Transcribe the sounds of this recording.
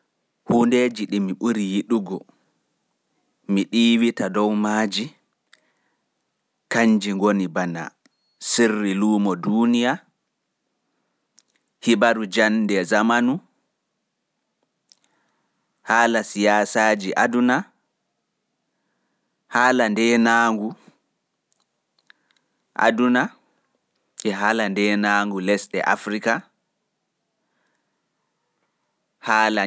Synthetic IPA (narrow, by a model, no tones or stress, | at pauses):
huːndeːd͡ʒiɗimiɓuɾijiɗuɡɔ | miɗiːwitadɔwmaːd͡ʒi | kaɲd͡ʒiŋɡonibana̰ | sirːiluːmɔdunija | hibaɾud͡ʒandɛzamanu | haːlasijaːsaːd͡ʒiʔaduna | haːlandɛnaːŋɡu | ʔa̰duna | ʔɛɦaːlandɛːnaːŋɡulɛsɗɛ̰ʔa̰fɾika | haːla